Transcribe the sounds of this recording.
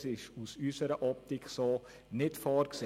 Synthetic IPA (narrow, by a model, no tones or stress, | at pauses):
sɪʃusysəɾəʔɔp̚tɪkʰχso | nɪtfɑːrkse